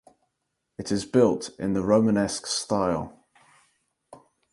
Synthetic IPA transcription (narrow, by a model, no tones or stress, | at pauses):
ɪtʰɪzbɪlˠtɪ̰̃nðəɹəʊmənɛskstaɪlˠ